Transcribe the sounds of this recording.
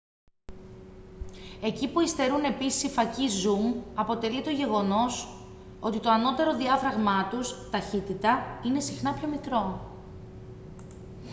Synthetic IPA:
e̞cipuist̪e̞ɾune̞pisi̥sifɐcizumɐpo̞t̪e̞lit̪o̞ʝe̞ɣo̞no̞s | o̞t̪it̪oɐno̞t̪e̞ɾo̞ðiɐfɾɐɣmɐt̪ust̪ɐçit̪it̪ɐine̞sixnɐpço̞mikɾo̞

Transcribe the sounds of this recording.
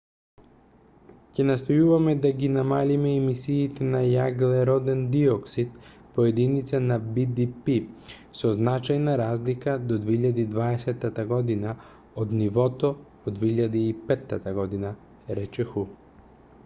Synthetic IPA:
cɛnast̪ɔjuvamɛd̪aɡinamalimɛːmisiːt̪ɛnajaɡlɛɾɔd̪ɛnd̪iɔksit̪ | pɔɛd̪init̪sanabid̪ipi | sɔznat͡ʃajnaɾazlikad̪ɔd̪vɛiʎad̪iːd̪vaɛsɛt̪ːat̪aɡɔd̪ina | od̪nivɔt̪ɔ | od̪vɛiʎad̪iːpɛt̪ːat̪aɡɔd̪ina | ɾɛt͡ʃɛxu

